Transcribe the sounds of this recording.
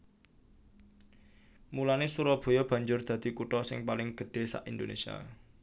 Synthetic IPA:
mulanesuɾɔb̥o̤jɔb̥a̤ɲd͡ʒʊrd̪̥ä̤d̪̥i̤kuʈɔsɪ̰ŋpalɪŋɡ̥ə̤ɖ̥e̤sa̰ʔind̪onesia̰

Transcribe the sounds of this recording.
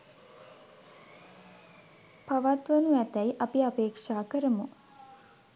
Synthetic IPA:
paʋat̪ʋənuɛt̪æjʔapiapeːkʂaːkəɾəmu

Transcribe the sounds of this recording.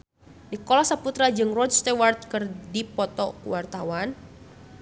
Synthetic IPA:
nikɔlɔsaput̪ɾad͡ʒɨŋrɔdst̪ɛwart̪̚kɨrdipɔt̪ɔkṵwart̪awan

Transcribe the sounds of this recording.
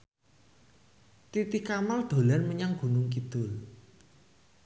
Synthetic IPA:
t̪it̪ikamald̪̥o̤lanməɲaŋɡ̥ṳnʊŋk̬id̪̥ʊl

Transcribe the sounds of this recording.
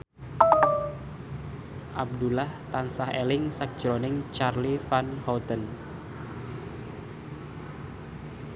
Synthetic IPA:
ʔab̚d̪ulaht̪ansahelɪŋsak̚d͡ʒɾonɪŋt͡ʃarlifanhɔt̪ən

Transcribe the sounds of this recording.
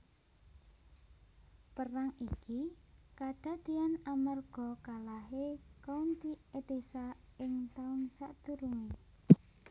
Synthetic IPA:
pəraŋikikaɖ̥a̤d̪̥i̤anamarɡ̥ɔ̤kalaɦekɔnt̪ied̪̥esaɪŋt̪aʊnsaʔd̪̥ṳɾuŋe

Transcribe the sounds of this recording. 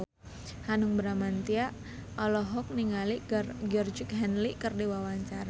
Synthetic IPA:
hanuŋbəɾamant̪iaʔ | ɔlɔɦɔk̚niŋalirɡərd͡ʒik̚ɦɛnlikərdiwawaɲt͡ʃaɾa

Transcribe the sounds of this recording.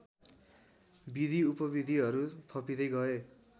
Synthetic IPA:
bid̪ʱiupʌbid̪ʱiɦʌɾut̪ʰʌpid̪ʌjɡʌe

